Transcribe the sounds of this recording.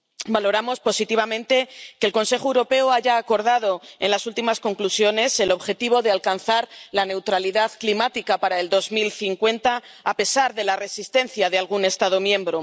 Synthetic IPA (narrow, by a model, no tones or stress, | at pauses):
balo̞ɾamo̞spo̞sit̪iβ̞amẽnt̪e̞ke̞ːlko̞nse̞xoewɾo̞pe̞oaʝaːko̞ɾð̞að̞o̞e̞̰nlasult̪imasko̞ŋklusjo̞ne̞se̞lo̞βxe̞t̪iβ̞o̞ðealkanθaɾlane̞wt̪ɾaliðaðklimat̪ikapaɾaeld̪o̞zmilθiŋkwe̞nt̪aːpe̞saɾðe̞lare̞sist̪e̞nθjaðealɣ̞une̞st̪aðomjẽ̞mbɾo